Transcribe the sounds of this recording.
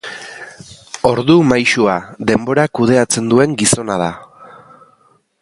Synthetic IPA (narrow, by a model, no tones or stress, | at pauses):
o̞ɾðumajʃuaðe̞mbo̞ɾakuð̞e̞at͡se̞nd̪ue̞ŋɡiso̞nað̞a